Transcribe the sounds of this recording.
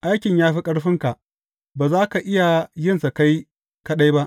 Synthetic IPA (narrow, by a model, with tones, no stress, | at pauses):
ʔa˦jkʲɪ˨ɲjaː˦ɸi˦kʼɐ˦ɽɸɪ˦ŋka˨ʔ | baː˨zaː˦ka˨ʔɪ˦ja˨jɪ˦nsa˨ka˦j | kɐ˦ɗa˦jba˦ʔ